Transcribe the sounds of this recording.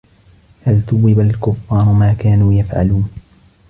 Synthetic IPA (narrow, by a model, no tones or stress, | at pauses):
halt̪ʊwɪbalkʊfːɑːɾˤʊmaːkaːnuːjafʕa̰luːn